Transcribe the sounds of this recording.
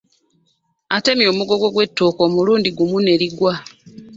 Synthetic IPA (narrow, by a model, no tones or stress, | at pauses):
ate̞mjo̞ːmuɡo̞ɡo̞ɡwe̞tːoːko̞ːmuluːndiɡumune̞ɾiɡwa